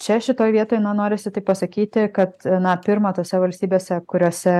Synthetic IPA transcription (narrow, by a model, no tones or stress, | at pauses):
t͡ʃʲɛʃʲɪt̪oːjʋʲiɛt̪oːjnɐnoːɾʲɪsʲɪt̪ɐɪpɐsɐkʲiːt̪ʲɪkɐt̪nɐpʲɪɾmɐt̪oːsʲɛʋɐlʲsʲt̪ʲiːbʲeːsʲɛkʊɾʲoːsʲɛ